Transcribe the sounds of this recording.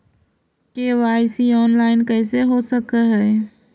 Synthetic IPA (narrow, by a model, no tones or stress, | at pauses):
kewaɪsiɔːnlaːɪnkəɪseɦosəkəɦɛː